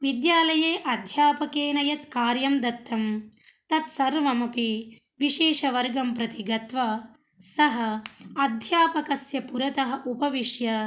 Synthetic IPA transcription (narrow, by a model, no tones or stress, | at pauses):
ʋid̪jaːlɐjeːʔɐd̪ʱjaːpɐkeːnɐjɐt̪kaːɾjɐmd̪ɐt̪ːɐmt̪ɐt̪sɐɾʋɐmɐpi | ʋiʃeːʂɐʋɐɾɡɐmpɾɐt̪iɡɐt̪ʋɐ | sɐɦɐɐd̪ʱjaːpɐkɐsjɐpuɾɐt̪ɐɦɐʔupɐʋiʂjɐ